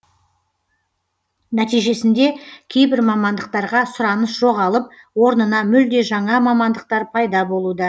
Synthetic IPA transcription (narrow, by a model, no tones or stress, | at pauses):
næt̪ijʒe̞sɪnd̪e̞kʲʰe̞jbɪɾmɑmɑnd̪əq̚t̪ɑɾʁɑsʊɾɑnəsʒo̞ʁɑlˠəp̚ | wo̞ɾnənɑmʏld̪e̞ʒɑɴɑmɑmɑnd̪əq̚t̪ɑɾpʰɑjd̪ɑbo̞lˠud̪ə